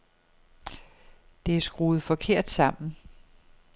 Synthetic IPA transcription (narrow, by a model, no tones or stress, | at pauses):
d̥e̝æsɡ̥ʁuːð̩ˠfɒ̽kʰe̝ɐ̰d̥sɑ̈m̰n̩